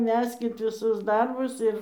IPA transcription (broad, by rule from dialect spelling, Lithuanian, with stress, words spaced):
ˈmʲæːsʲkʲɪt ʋʲɪˈsʊs ˈdɐrbʊs ɪr